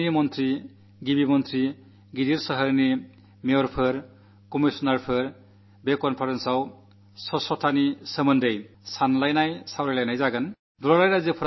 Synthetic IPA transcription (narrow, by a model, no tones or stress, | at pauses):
imɔnt̪ʰɾi | ɡibimɔnt̪ʰɾi | ɡidiɾsəɦəɾni | meɔɾpʰɯɾ | kɔmisɔnaɾpʰɯɾ | bekɔnpʰaɾensaw | sɔsɔtʰanisəmɯndej | sanlajnajsawɾajlajnajzaɡan | duɾaɾajɾazɯpʰɯɾ